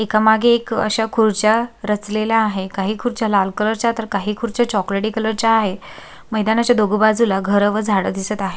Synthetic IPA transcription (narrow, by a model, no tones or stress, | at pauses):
ekamaɡʱeːkə̰ɕakʰuɾt͡ɕjaɾət͡slelaːɦekaɦiːkʰuɾt͡ɕjalalkələɾt͡ɕat̪əɾkaɦiːkʰuɾt͡ɕjat͡ɕɔkleʈikələɾt͡ɕaːɦe | məjd̪anat͡ɕjad̪oɡəbad͡zulaɡʱəɾəʋəd͡zʱaɽəd̪isət̪aɦe